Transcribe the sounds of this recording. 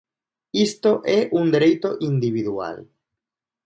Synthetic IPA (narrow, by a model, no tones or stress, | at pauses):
ist̪o̞ʔeʔund̪ɾejt̪o̞ʔind̪iβiðua̰l